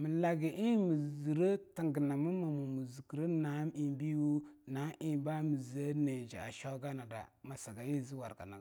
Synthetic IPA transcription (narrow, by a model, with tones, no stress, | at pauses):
mi˨la˨ɡi˨ʔi˦mi˨zi˨ɾə˦ta˨ŋɡə˨na˨mə˦ma˨mu˨mu˨zu˨ki˨ɾə˦na˨˦mi˨bi˦wu˦na˨˦ʔi˦˨ba˦mi˨zə˦ne˨d͡ʒa̰˨a̰˨ʃo˦ɡa˦na˨da̰˨ma˨sa˨ɡa˨ji˦zi˦wa̰˨ɾɡa̰˨na˨